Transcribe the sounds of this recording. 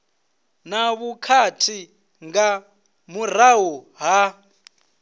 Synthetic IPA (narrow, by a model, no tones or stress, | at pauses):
naβukʰatʰi | ŋɡa | muɾ̤aɦu | ɦa